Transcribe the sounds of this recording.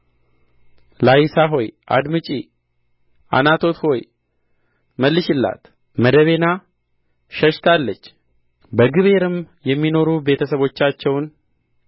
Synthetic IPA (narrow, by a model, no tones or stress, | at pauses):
lajisaɦo̞jʔa̰d̪mɨt͡ʃʼi | ʔa̰nat̪ʰo̞t̪ho̞j | məlːɨʃɪlːa̰t̪ | məd̪əβe̞na | ʃəʃt̪ʰalːət͡ʃː | bəɡɨβe̞ɾɨmjɛmːino̞ɾube̞t̪ʰəsəβo̞t͡ʃːat͡ʃːɛwn